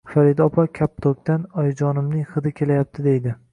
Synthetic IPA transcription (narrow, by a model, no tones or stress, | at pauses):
faɾɪd̪ɒpʰɒkʲʰap̚t̪ʰok̚ʲt̪anɒjd͡ʒɒnɪmnɪŋχɨd̪ɪkʲʰe̞lajap̚t̪ʰɪd̪e̞jd̪ɪ